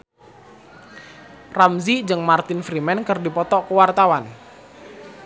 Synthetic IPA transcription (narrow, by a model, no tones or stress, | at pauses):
ramzid͡ʒɨŋmart̪ɪnfɾimɛnkərdipɔt̪ɔʔkəwart̪awan